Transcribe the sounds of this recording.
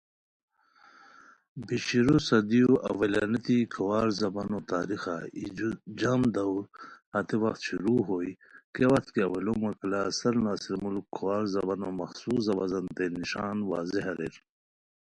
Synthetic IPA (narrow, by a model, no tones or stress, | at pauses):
biɕiɾosɐd̪ijoʔɐ̰wɐlanɐt̪ikʰɐwaːɾzɐbanot̪aːɾixaḭd͡ʑamd̪ɐwɾhɐt̪ewɐxt̪ɕuɾuːɦoːi | kewɐxt̪kiɐwɐlomɐklasɐɾnaːsiɾmulkʰːuwaːɾzɐbanomɐxsuːsɐbɐzɐnt̪eniʃaːnwa̰ːzeɦɐɾḛɾ